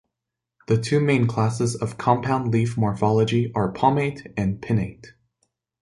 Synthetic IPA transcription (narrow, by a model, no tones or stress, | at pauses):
ðɨtʰʉmẽɪ̃nkʰl̥æsɨzʌv̥kʰɑ̃mpʰãʊ̃ndˡlifmɔɹfɑlˠəd͡ʒiʔə˞pʰɑmeɪɾɨ̃npʰɪ̃neɪt